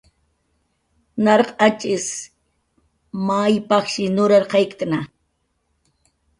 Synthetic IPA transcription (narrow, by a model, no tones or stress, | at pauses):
nɑɾqʼɑt͡ʃʼɪs | majpɑχʃɪnʊɾaɾqɑjkkna